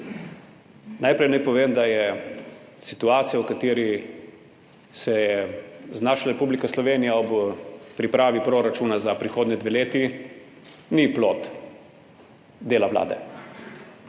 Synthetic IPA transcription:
najpɾɛjnajpɔʋeːmd̪ajɛ | sit̪uaːt̪sijawkat̪eːɾi | sɛjɛznaːʃlaɾɛpublikaslɔʋeːnijaɔbpɾipɾaːʋipɾoːɾat͡ʃuːnazapɾixoːd̪nʲɛd̪ʋeleːt̪i | niploːt̪ | d̪eːlaʋla̰ːd̪ɛ̰

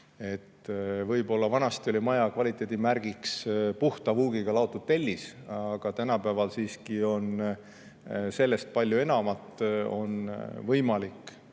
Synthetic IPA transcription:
e̞t̪ːvɤjbo̞lːɑvɑnɑst̪io̞lʲimɑjɑkvɑlʲit̪ːˑe̞ːd̪̥ʲimærɡ̥ikspuht̪ɑvuːɡiɡ̥ɑlɑot̪ːˑud̪t̪elʲːisɑɡ̥ɑt̪ænɑpævɑlsiːskio̞n | se̞lːe̞st̪̚pɑlʲːjue̞nɑmɑt̪ːˑo̞̰nvɤjmɑlikːˑ

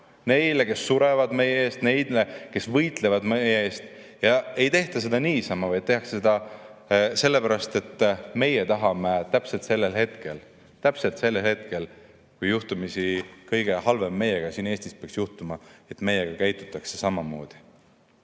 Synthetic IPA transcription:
ne̞jleke̞sːuɾe̞vɑd̪me̞jeeːst̪ne̞jd̪̥leke̞svɤjt̪le̞vɑd̪mejeeːst̪ | jɑe̞jt̪e̞ht̪ɑsed̪̥ɑniːsɑmɑvɑjt̪e̞ɦɑkssed̪̥ɑ | se̞lːe̞pæɾɑst̪e̞t̪ːme̞jet̪ɑɦɑmet̪æpselt̪se̞lːelhe̞t̪ke̞l | t̪æpse̞lt̪se̞lːelhe̞t̪̚ke̞l | kujːuht̪umisikɤjɡ̥e̞hɑlve̞mːe̞jeɡ̥ɑsiːne̞ːsʲt̪ispeɑksjuht̪umɑe̞t̪me̞jeɡ̥ɑkæjt̪ːˑu̥t̪ːˑɑkse̞sɑmɑmo̞̰ːd̪̥i̥

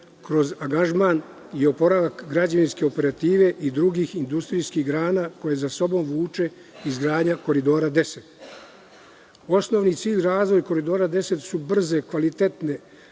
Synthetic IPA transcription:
kɾo̞zaɡaʒmaːn | io̞po̞ɾaʋakɡɾad͡ʑaʋinske̞o̞pe̞ɾat̪iːʋe̞ʔid̪ɾuɡixind̪ust̪ɾijskiɣɡɾaːnako̞je̞zaso̞bo̞mʋuːt͡ʃe̞ | izɡɾaːd̪ɲako̞ɾid̪o̞ːɾad̪e̞se̞t̪ | o̞sno̞ʋnit̪siːʎʲɾaːzʋo̞jko̞ɾid̪o̞ːɾad̪e̞se̞t̪subr̩ze̞kʋalit̪et̪ne

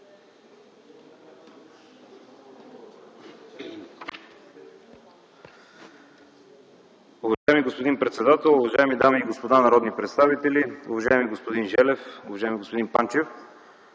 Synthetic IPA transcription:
ʊvɐʒaɛmiɡospod̪inpɾɛt̪sɛd̪at̪ɛlˠʊvɐʒaɛmid̪amiːɡospod̪anɐɾɔd̪nipɾɛt̪st̪avit̪ɛliʊ̰vɐʒaɛmiɡospod̪inʒɛlɛfʊvɐʒajɛmiɡospod̪inpant͡ʃɛf

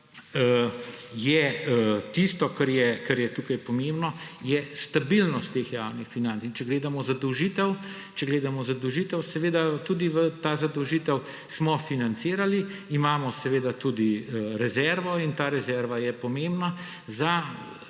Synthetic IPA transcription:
jɛt̪ist̪ɔkaɾjɛkaɾjɛt̪uːkajpɔmembnɔjɛst̪abilnɔst̪ːexja̰ːwnixfinant̪sint͡ʃɛɡleːd̪amɔzad̪ɔwʒit̪ɛw | t͡ʃɛɡleːd̪amɔzad̪ɔwʒit̪ɛwsɛʋeːd̪at̪uːd̪iʋət̪azad̪ɔwʒiːt̪ɛw | smɔfinant̪siːɾaliimaːmɔsɛʋeːd̪at̪uːd̪iɾɛzɛɾʋɔint̪aːɾɛzɛɾʋajɛpɔmẽmbna | za

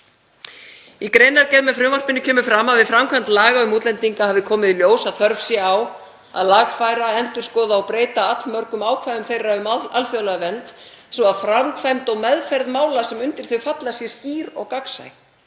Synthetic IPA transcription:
ikɾeːjnaɾcɛjðmɛðfɾʏːmar̥pɪnːʏcʰœːmʏfɾamaðvɪðfɾamkʰvant̪laːɣaʏmuːt̪lɛnt̪iŋkahavðɪkʰɔːmɪðiljoːwsaðθœɾvsjɛaw | a̰ðlaɣfajɾaɛnt̪ʏɾ̥skɔːðaɔpɾeːjt̪aat̪lmœɾkʏmaːwkʰvajðʏmfejɾaʏmalfjœlaɣvɛnt̪ | sɔaðfɾamkfajmt̪ɔɣmɛðfɛɾðmaːwlasɛmʏnt̪ɪɾ̥θʏɥfat̪lasjɛsciːɾɔɣkaksa̰j

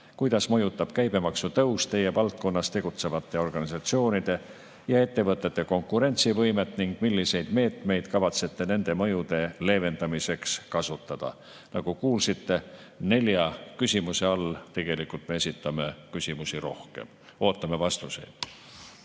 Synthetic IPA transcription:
kujd̪̥ɑsmɤ̞jut̪ːˑɑb̥̚kæjb̥e̞mɑksut̪ɤwst̪t̪e̞je̞vɑlt̪̚ko̞nːɑst̪e̞ɡ̥ut̪se̞vɑt̪ːˑe̞o̞rɡ̥ɑnisɑt̪sio̞ːnid̪̥e̞ | jɑe̞t̪ːe̞vɤt̪ːˑe̞t̪ːe̞ko̞ŋkːˑuɾe̞nʲt̪sivɤjme̞t̪ˑniŋɡ̥milʲːise̞jd̪̥me̞ːt̪me̞jd̪̥kɑvɑt̪se̞t̪ːe̞ne̞nd̪e̞mɤ̞jud̪̥e̞le̞ːve̞nd̪ɑmise̞kskɑsut̪ːˑɑd̪̥ɑ̰ | nɑɡ̥ukuːlsit̪ːe̞ | ne̞lʲjɑkysʲimuse̞ɑlt̪e̞ɡ̥e̞likult̪me̞esʲit̪ːˑɑme̞kysʲimusiɾo̞hke̞̰m | o̞ːt̪ːˑɑme̞vɑst̪use̞̰jd̪̥

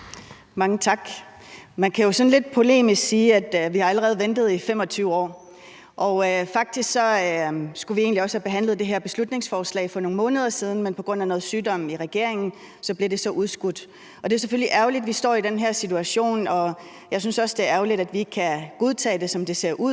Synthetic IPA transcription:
mɑ̈ŋət͡sʰɑ̈ɡ̥ | mænkʰæjo̝sɒ̽nle̝d̥̚pʰʁo̝le̝̰ːmisɡ̥siːæd̥ʋihɑ̈æləʁɛːð̞̩ˠʋend̥ð̩ˠifem̰ɒ̽t͡sʰyʊɒ̰ː | ʔɒ̽ʊfɑ̈ɡ̥̚d̥isɡ̥sɒ̽sɡ̥uʋie̝ːnliɒ̽shæb̥e̝ɦæn̰lð̩ˠd̥e̝ɦeɐ̰b̥e̝slud̥ne̝ŋsfɒːslɛ̰ɪfɒ̽no̝ːŋ̩mɔ̽ːnəð̞ˠɐsiːð̞ˠn̩menpʰɒ̽ɡ̥ʁɔ̽n̰ænɔ̽ːð̞̩ˠsyːdɒ̽m̰iʁɛɡ̥e̝ɐ̰e̝ŋn̩ | sɒ̽b̥liɐɾ̥e̝sɒ̽ʔuð̞ˠsɡ̥ud̥ | ɒ̽d̥e̝æɐsefølliʔæɐʊlid̥ʋisd̥ɒ̰ːid̥enɦeɐ̰sit͡sʰuæɕo̝̰ːnɒ̽ | jɑ̈ɪs̬ynsɒ̽sd̥e̝æɐæɐʊlid̥æd̥ʋi̝ɡkʰæɡ̥o̝ð̞ˠt͡sʰɛ̰ːd̥e̝sɒ̽md̥e̝se̝ɐ̰ʔuð̰ˠ

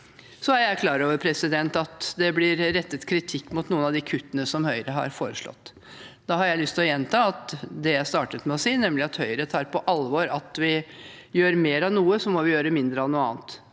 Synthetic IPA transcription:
sɔæɾjæɪkʰlɑːɾoːʋəɾpʰɾɛsɪd̪ɛnt̪ɑt̪d̪ɛblɪɾɾɛt̪ːət̪kʰɾɪt̪ʰɪkːmʊt̪nuːənɑʋd̪ɪkʰʉt̪ːənəsɔmhœʏɾəɦɑ̰ɾfoːɾəʂlɔ̰t̪ː | d̪̥ɑɦɑɾjæɪlʏst̪ʰɪlɔjɛnt̪ʰɑːɑt̪d̪ɛjæɪst̪ɑːʈət̪mɛɔsiːnɛmlɪɑt̪hœʏɾət̪ʰɑːɾpɔʔɑlʋɔɾɑt̪ʋɪjøːɾmeːɾɑʋnuːəsɔmɔʋɪjøːɾəmɪnd̪ɾəɛnuːɑ̰ːnt̪

